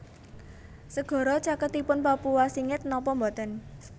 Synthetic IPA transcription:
səɡ̥ɔ̤ɾɔt͡ʃakət̪ːipʊnpapuwasiŋɪt̪̚nɔpɔmbɔt̪ən

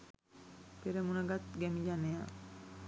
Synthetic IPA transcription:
peɾemunaɡat̪̚ɡɛmid͡ʒaneja

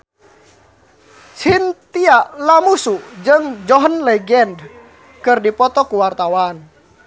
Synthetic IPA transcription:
sint̪ialamusud͡ʒɨŋd͡ʒɔɦənlɛɡɛnd | kɨrdipɔt̪ɔkuwart̪awan

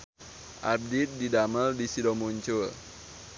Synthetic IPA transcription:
ʔab̚dit̪̚didaməldisidɔmuɲt͡ʃʊl

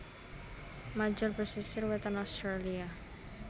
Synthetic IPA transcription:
mad͡ʒɔrbəsisɪrwet̪anɔst̪ɾalia

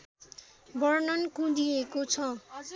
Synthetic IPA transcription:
bʌrnʌnkũd̪iekot͡sʰʌ

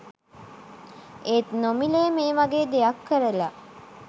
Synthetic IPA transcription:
ʔeːt̪nomileːmeːʋɐɡeːd̪ejɐkːəɾela

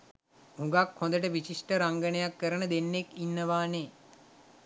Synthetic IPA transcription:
hũŋɡakhõnd̪əʈ̬əʋit͡ʃiʂʈəɾaŋɡənəjakːəɾənəd̪enːekinːəʋaːneː

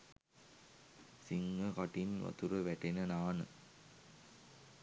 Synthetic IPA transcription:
siŋɡɐkɐʈinʋɐ̰t̪uɾɐʋɛʈːenɐnaːnɯ̰

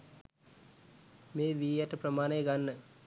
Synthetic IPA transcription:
meːʋiːjaʈəprəmaːnəeɡanːə

